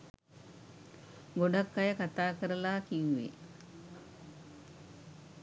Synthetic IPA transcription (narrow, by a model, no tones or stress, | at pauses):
ɡoɖakːajəkat̪aːkəɾəlaːkiŋʋḛ